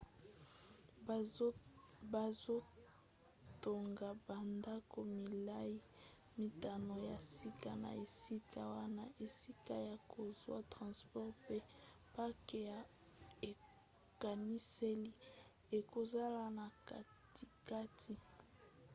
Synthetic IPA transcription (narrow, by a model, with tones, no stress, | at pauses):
ba˨zo˦ | to˨ŋɡa˨ba˨nda˦ko˨mi˨la˦ji˦ | mi˨ta˨no˨ja˨si˦ka˦na̰˨e˨si˦kʰa˦wa˦na˦ʔe˨si˦ka˦ja˨ko˨zwa˦tʁɑ̃˨spɔ˦ʁpe˦ | pa˦ke˨ja˨ | e˨ | ka˨ni˦se˦li˦ | e˨ko˨za˦la˨na˨ka˨ | ti˨ka˦tʰi˨